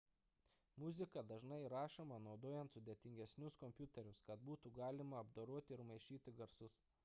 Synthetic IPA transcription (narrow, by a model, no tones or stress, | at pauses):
mʊzʲɪkɐd̪ɐʒnɐɪɾɑːʃomɐnɒʊd̪oːjɛnt̪sʊd̪ʲɛt̪ʲɪŋʲɡʲɛsʲnʲʊskɔmʲpʲjʊt̪ʲɛɾʲʊskɐt̪̚buːt̪uːɡɑːlʲɪmɐɐbd̪oːɾuɔt̪ʲɪɪɾmɐɪʃʲiːt̪ʲɪɡɐɾsʊs